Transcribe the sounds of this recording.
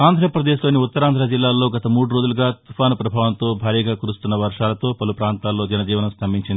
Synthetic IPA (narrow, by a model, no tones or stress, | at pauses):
aːnd̪ʱɾɐpɾɐd̪eːʃlo̞ːniut̪ːɐɾaːnd̪ɾɐd͡ʒilːaːlːo̞ːɡɐt̪ɐmuːɽuɾoːd͡ʒuluɡaːt̪upʰaːnɐpɾɐbʱaːʋɐnt̪o̞ːbʱaːɾiːɡaːkuɾust̪unːɐʋɐɾʂaːlɐt̪o̞ːpɐlupɾaːnt̪aːlːo̞ːd͡ʒɐnɐd͡ʒiːʋɐnɐmst̪ʰɐmbʱiɲt͡ʃind̪i